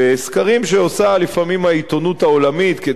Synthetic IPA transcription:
eeskaʁimʃeosalifamimhait̪o̞nut̪ao̞lamit̪ked

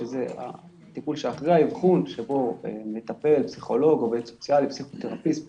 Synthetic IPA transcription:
ezea̰ | t̪ipulʃeaχʁaivχunʃebo̞emet̪ape̞lpsiχo̞lo̞ɡoveso̞̥t͡sjalipsiχut̪eʁapism

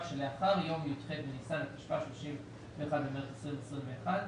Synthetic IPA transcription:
ʃeleaχaʁjo̞mjotχedbenisanleti̥ʃvaʃloʃim | veːχadbemeχesʁinesʁinveːχad

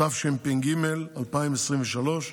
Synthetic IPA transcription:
afʃempinɡimelalpaimesʁimveʃalo̞ʃ

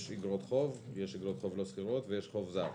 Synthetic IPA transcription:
ʃiɡʁot̪χo̞vjeʃiɡʁot̪χo̞vlosχiʁot̪vejeʃχo̞vzaʁ

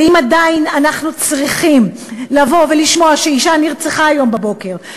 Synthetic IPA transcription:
imadainanaχnut͡sʁiχimlavo̞ve̞liʃmo̞aʃeiʃaniʁt͡seχaːjo̞mbabo̞ke̞ʁ

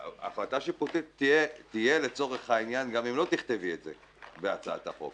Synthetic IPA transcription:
a̰flataʃiputitːijetije̞le̞t͡so̞ʁe̞χhainjanɡamimlo̞t̪iχt̪evietzḛ | bea̰t͡saa̰t̪aχo̞̰f

